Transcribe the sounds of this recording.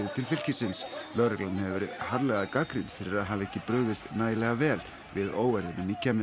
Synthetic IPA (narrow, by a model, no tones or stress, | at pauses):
ðɪt̪ʰɪlfɪl̥cɪsɪnslœɾɛklanhɛvɪvɛɾɪðhaɾlɛɣaðkakɾɪnfɪɾɪɾaðɦaːvɛhcːɪpɾœɣðɪst̪naːjɪlɛɣavɛːl | vɪðoːwvɛɾðɪnɪmiːcːam